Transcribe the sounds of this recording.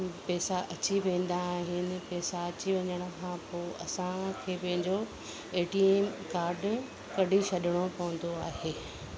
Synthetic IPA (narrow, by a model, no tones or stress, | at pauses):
pɛːsaʔɐt͡ɕiʋẽːn̆d̪aːɦɪnɪ̆pɛːsaɐt͡ɕiʋɐɲəɽ̃kʰãpoːɐ̰sãkʰeːpɐ̃ɦɪ̃ɲd͡ʑo | eːʈiemkaːɾɖ | kɐɖʱiʃɐɗɪɽ̃opɐʋə̃n̆d̪oaːɦeː